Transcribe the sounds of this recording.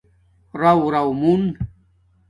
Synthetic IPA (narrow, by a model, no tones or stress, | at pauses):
ɾawɾɐwmun